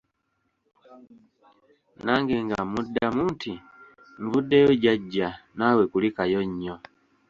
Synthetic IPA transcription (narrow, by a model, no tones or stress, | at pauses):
naŋɡiŋɡamudamunti | ɱvudɛjɔɟaɟanawɛkulikajɔɲːɔ